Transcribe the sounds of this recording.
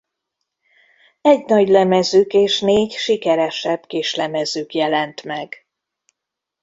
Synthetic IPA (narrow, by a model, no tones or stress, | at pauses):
ɛɟnɒɟlɛmɛzyːkeːʃneːɟʃikɛɾɛʃɛbkeːʃlɛmɛzøːkjɛlɛnt̪mɛɡ̥